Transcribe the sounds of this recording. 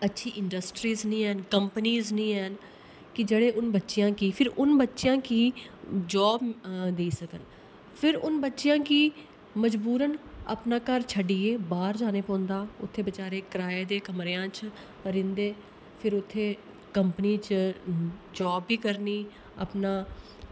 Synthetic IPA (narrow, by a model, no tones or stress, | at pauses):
ətːʃʰiːʔɪɳɖəsʈɾiːznĩːɦɛnkəmpniːznĩːɛn | kɪd͡ʒeːɽeːʔʊnbətːʃɪjãːkiːpʰɪɾʊnbətːʃɪjãːkiːd͡ʒɔːbd̪eːsəkən | pʰɪɾʊnbətːʃjãːkiː | məd͡ʒbuːɾənə̰pnaːkəɾt͡ʃʰəɖiːeːbaːɾd͡ʒaːneːpɔ̃ːnd̪aːʊ̰t̪ʰːeːbət͡ʃaːɾeːkəɾaːeːd̪eːkəmɾeːãːt͡ʃ | ɾɪ̃nd̪eː | pʰɪɾʊt̪ʰːeː | kəmpəniːt͡ʃ | d͡ʒɔːbːiːkəɾniː | a̰ːpnaː